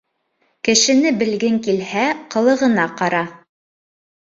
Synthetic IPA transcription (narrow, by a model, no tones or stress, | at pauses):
kɘ̆ʃɘ̆nɘbɘ̆lɡɘŋkilhæqɤ̆lˠɤ̆ʁɤ̆nɑqɑɾɑ